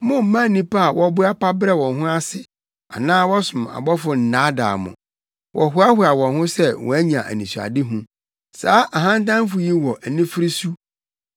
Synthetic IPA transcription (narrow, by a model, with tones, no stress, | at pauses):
mʊ̃˦m̩˦mã˦˨nĩ˦pa˦a˨wʔɔ˦bʊ˦a˦pa˦bɾɛ˦wɔ̃˨nɦʊ̃˦a˦sɪ˨ | a˨nãː˦wɔ˦sʊ̃˨ma̰˨bɔ˦fʊ˨n̩˨nã˨˦da̰ː˨mʊ̰̃˨ | wʔɔ˨ɦʊ˨˦a˦hʊ˦a˨wɔ̃˨nɦʊ̃˦sɛ˦wʔɔ̰̃˨æ˦ɲã˨ʔæ̰˨nĩ˨su˨a̰˨dɪ˦ɦũ˦ | saː˨˦ʔa˨ɦã˦n˦t̬ã˦m˦fʊ˨ji˦wɔ˨ʔæ˨nĩ˦fɪ˦ɾi˦su˦